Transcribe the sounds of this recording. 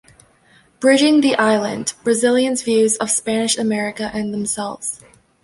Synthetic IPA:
b̥ɹɪd͡ʒɪ̃ŋðiʔaɪlˠɨ̰̃nb̥ɹɨzɪlˠjɨ̃nzvjʉzʌv̥spænɨʃɨmɛɹɨkɨʔɨ̃nðə̃msɛlˠvz̥

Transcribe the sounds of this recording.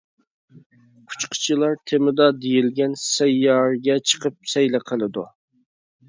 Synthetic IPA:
kʰu̥t͡ʃqʰə̥t͡ʃʰilˠɑɾt̪ʰemɪd̪ɑd̪ejilɡʲɛnsɛjːɑɾɡʲɛt͡ʃʰə̥qʰəp̚sɛjlæqʰəlˠɨd̪ṵ

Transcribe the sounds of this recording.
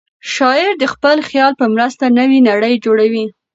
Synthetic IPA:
ʃɑɪɾd̪əxpəlxjɑlpəmɾəst̪anəwinaɽəjd͡ʒoɽawi

